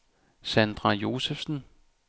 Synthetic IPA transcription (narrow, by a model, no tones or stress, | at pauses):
sænd̥ʁɑ̈jo̝ːsefsn̩